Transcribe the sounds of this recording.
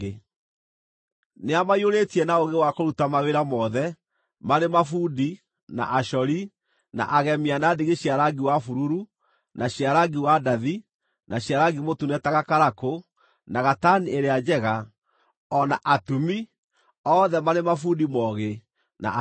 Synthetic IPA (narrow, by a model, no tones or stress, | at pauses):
neamaioɾetiɛnaoɣewakoɾutamaweɾamɔðɛ | maɾemafuːdi | na̰ʔaʃɔɾi | na̰ʔaɣɛmianadeɣeɕiaɾaɡiwafuɾuɾu | naɕiaɾaɡiwadaði | naɕjaɾaɡimotunɛtaɣakaɾako | naɣatanieɾead͡ʒɛɣa | ɔnaʔatumi | ɔðɛmaɾemafudimɔɣe | na̰